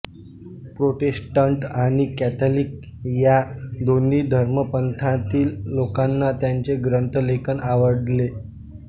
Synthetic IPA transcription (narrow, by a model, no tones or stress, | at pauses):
pɾoʈesʈaɳʈaɽ̃ikæt̪ʰəlik̚ | jad̪onːiːd̪ʱəɾməpənt̪ʰãt̪iːlːokanːat̪jaɲt͡ɕeɡɾənt̪əlekʰənaʋəɖle